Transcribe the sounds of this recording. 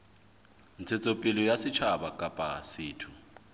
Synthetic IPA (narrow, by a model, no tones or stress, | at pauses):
nt͡sʰɛt͡sʼopʼilɔjasit͡ʃʰabakʼapʼasiːtʰu